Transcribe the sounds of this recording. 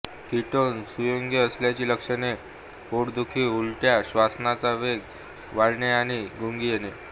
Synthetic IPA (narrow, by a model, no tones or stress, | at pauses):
kiʈonsujoŋɡeəsljat͡ɕiːləkʂəne | oɽd̪ukʰiːulʈjaɕʋasnat͡saʋeɡ | ʋaɽɳeaɽ̃iɡuŋɡiːjene